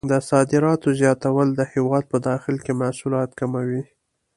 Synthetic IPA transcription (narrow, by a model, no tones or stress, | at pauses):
d̪əsɑd̪ɪɾɑt̪ozjɑt̪awəld̪əhewɑd̪̚pəd̪ɑxɪlkemahsulɑt̪kamawi